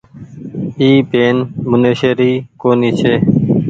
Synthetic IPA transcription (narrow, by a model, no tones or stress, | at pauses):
iːpeːnmʊneːʃeːɾiːkoːniːt͡ʃʰeː